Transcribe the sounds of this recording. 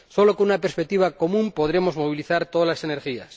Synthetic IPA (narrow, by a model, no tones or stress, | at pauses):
solokonunapeɾspek̚t̪iβako̞mũmpo̞ð̞ɾemo̞zmo̞β̞iliθaɾt̪oðalaseneɾxia̰s